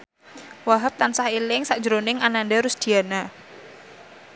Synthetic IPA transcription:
waɦəp̚t̪ansahilɪŋsaʔd̥d͡ʒəɾonɪŋanandaɾusd̪̥i̤ana

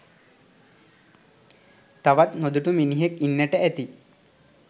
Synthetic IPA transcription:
t̪aʋat̪nod̪uʈuminiɦekinːəʈəæt̪i

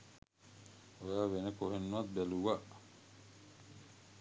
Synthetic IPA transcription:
ojaːʋenekoɦenːuɐt̪̚beluʋɐʔ

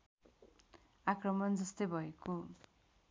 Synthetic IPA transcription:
akrʌmʌnd͡zʌst̪ʌjbʱʌeko

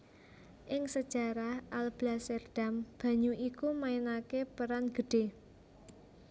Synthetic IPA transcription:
ʔɪŋsəd̥ʒ̥a̤ɾahʔalb̥laserd̥a̤mb̥ä̤ɲuʔikumainakepəɾanɡ̥ə̤ɖ̥e̤

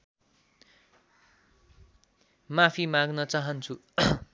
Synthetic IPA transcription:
mapʰimãɡnʌt͡saɦʌnt͡sʰu

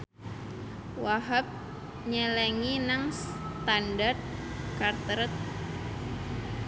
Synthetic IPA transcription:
waɦap̚ | ɲəleŋinaŋst̪andard̪̚kart̪əɾət̪̚

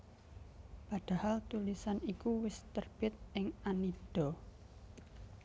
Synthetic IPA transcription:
paɖ̥a̤halt̪ulisanikuwɪst̪ərb̥ɪt̪̚ʔɪŋaniɖ̥ɔ

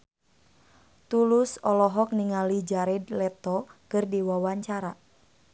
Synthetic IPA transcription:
t̪ulusɔlɔɦɔk̚niŋalid͡ʒaɾɛdlɛt̪ɔkɨrdiwawaɲt͡ʃaɾa

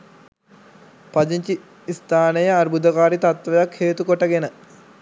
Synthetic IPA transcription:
pad͡ʒiɲt͡ʃi | st̪aːnəjəaɾbud̪əkaːɾit̪at̪ʋəjakheːt̪ukoʈəɡenə

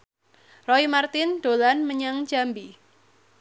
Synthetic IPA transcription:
rɔimart̪ɪnɖ̥olanməɲaŋd͡ʒ̥ambi

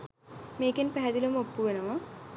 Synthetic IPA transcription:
meːkenpæɦæd̪iləməopːuʋenəʋa

